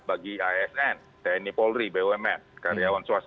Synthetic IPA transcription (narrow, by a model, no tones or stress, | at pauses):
baɡiaɛsɛn | dɛnipɔlɾibewɛmɛt̪̚kaɾiawansuas